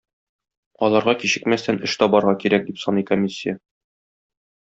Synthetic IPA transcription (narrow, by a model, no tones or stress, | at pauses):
ɒlˠɑɾʁɑkiɕɘ̆kmæst̪ænɘʃt̪ɒbɒɾʁɑkiɾæk̚d̪ipsɒnɤikomʲisʲːɪjə